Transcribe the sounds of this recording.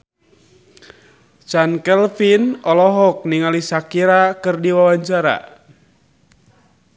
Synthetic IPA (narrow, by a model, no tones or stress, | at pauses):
t͡ʃankɛlfinɔlɔɦɔk̚niŋalisakiɾakɨrdiwawaɲt͡ʃaɾa̰